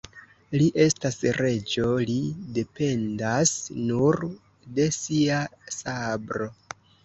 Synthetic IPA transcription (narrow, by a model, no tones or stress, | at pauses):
liʔe̞stasɾe̞d͡ʒo̞lide̞pe̞ndasnuɾ | de̞siasabɾo̞